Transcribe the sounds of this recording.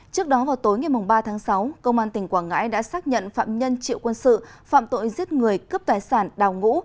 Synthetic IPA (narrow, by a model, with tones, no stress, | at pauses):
t͡ɕɨ˦˥ək̚ɗɔ˨˦vaː˨˩wt̪o˨˦jŋa˨˩jmʊ˨˩ŋ͡mɓaː˧t̪ʰaː˨˦ŋsa˨˦wkə˧wŋ͡mʔaː˧nt̪ï˨˩ŋ̟kwaː˧˩ŋa̰ː˧˥jɗa̰ː˧˥saː˦˥k̚ɲə̰˧˨nfa̰ː˧˨mɲə˧nt͡ɕḭ˧˨wkwə˧nsɨ̰˧˨fa̰ː˧˨mt̪o̰˧˨jzi˦˥ət̚ŋɨ˨˩əjkə˦˥p̚t̪aː˨˩jsaː˧˩nɗaː˨˩wŋṵ˧˥